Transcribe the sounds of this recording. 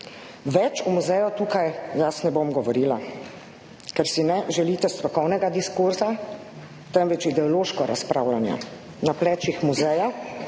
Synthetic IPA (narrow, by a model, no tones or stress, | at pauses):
ʋɛt͡ʃumuzɛjɔt̪uːkajjasnɛbomɡɔʋɔɾiːla | kɛɾsinɛʒɛliːt̪ɛst̪ɾɔkɔwnɛɡad̪iskuɾza | t̪ɛmʋɛt͡ʃid̪ɛɔloʃkɔɾaspɾaːwlanja̰ | naplɛt͡ʃixmuzɛja